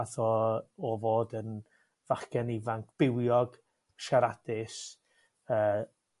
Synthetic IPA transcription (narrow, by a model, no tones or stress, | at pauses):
aθɔɔvoːdən | v̥aχɡɛnɪvaŋkʰb̥ɪwjɔɡ̥ | ʃaɾad̥ɪs | əː